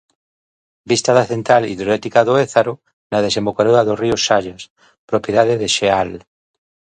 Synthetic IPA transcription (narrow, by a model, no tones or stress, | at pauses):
bist̪aðaθe̞nt̪ɾalḭðɾoet̪ikaðoeθaɾo | naðesembokaɾoaðoriosːaʎas | pɾopjeðaðeðeʃeal